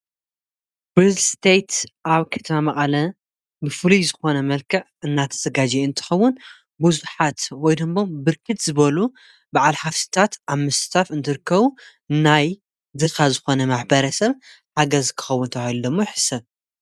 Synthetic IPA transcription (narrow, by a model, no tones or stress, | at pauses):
bɾizlst̪ʰejt̪ʔaβkʰɐ̥t̪ʰmamɐqʼɐlɐ | bɨfɨlizɨxo̞nɐmɐlkʰɐʕɨnːat̪ʰɐ̥z̥ɐɡad͡ʒiɨnt̪ʰɨ̥xɐwːʊn | buzuħat̪wɔjd̪ɨmbo̞mbɨɾkʰɨt̪zɨβɐlu | baʕalħafsɨ̥t̪ʰat̪ʔaβmɨsɨ̥t̪ʰafɨnt̪ʰɨɾɨkʰːɐβu | nːaj | d̪ɨxazɨxo̞nɐmaħbɐɾɐsɐβ | ħaɡɐzkʰɨ̥xɐwːʊnt̪ʰɐwahilud̪ɐmːojɪħɨ̥sɐβ